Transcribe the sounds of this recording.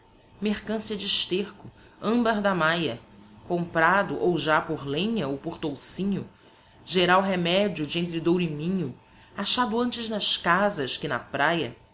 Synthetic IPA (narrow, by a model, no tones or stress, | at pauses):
meχkɐ̃siɐd͡ʒɪʃt̪eχkʊ | ɐ̃mbɐɾd̪ɐmajɐkõmpɾad̪ʊʔowʒapoɾlẽɲɐowpoɾt̪owsĩɲʊ | ʒeɾawɦemɛd͡ʒiʊd͡ʒɪẽnt̪ɾɪd̪owɾɪmĩɲʊ | aʃad̪ʊɐ̃nt͡ʃɪznɐʃkazɐʃkɪnɐpɾajɐ